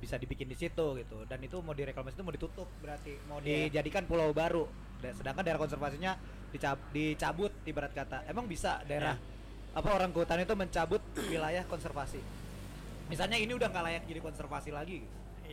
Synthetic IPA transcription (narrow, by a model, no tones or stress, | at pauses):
bisadibikɪndisit̪uɡit̪udanit̪umawdiɾeklamasit̪umawdit̪ut̪ʊp̚bəɾart̪imawdid͡ʒadikanpulawbaɾu | dasədaŋkandaeɾahkɔnsərfasiɲa | dit͡ʃadit͡ʃabʊt̪̚dibəɾat̪̚kat̪aʔemaŋbisadaeɾah | apaoɾaŋkəɦut̪anit̪uməɲt͡ʃabʊt̪̚wilajahkɔnsərfasi | misalɲainiudahŋɡaʔlajak̚d͡ʒadikɔnsərfasilaɡiɡit̪